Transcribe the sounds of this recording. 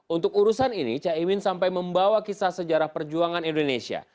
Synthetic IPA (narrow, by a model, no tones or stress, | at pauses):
unt̪ʊk̚uɾusaninḭt͡ʃaimɪnsampajməmbawakisasəd͡ʒaɾahpərd͡ʒuaŋanindonesia̰